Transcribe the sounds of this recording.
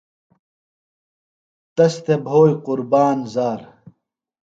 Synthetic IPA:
t̪ɐst̪ebʱoːjqʊɾbaːnzaːɾ

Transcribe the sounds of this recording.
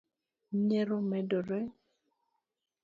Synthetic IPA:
ɲɛɾomɛdɔɾɛ

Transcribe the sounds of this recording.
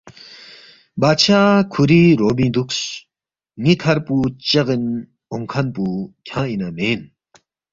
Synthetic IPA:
bat͡ɕʰakʰuɾiɾobĩd̪ukɕ | ŋikʰɐɾput͡ɕɐɣin | ɔŋkʰanpukʲʰãinamen

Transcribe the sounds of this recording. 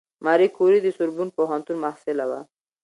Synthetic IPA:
maɾikʰuɾid̪isʊɾbunpoɦant̪unmahsɪlawa̰

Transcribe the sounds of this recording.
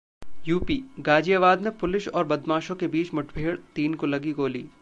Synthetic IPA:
juːpiːɡaːd͡ʒijaʋaːd̪nepʊlɪʃɔːɾbɐd̪mãːʃõkebiːt͡ʃmʊʈʰbʱeːɽt̪iːnkolɐɡiɡoːlḭː

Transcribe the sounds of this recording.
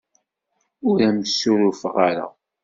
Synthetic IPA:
ʊɾæmsuɾʊfʁaɾa̰

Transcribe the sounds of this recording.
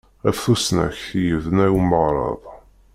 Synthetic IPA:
æfθusnæ̰çθijəvnæwməʁɾˤɑ̰ðˤ

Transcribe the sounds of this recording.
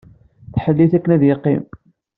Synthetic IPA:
θħəlːiθækːənæðjeqːḭm

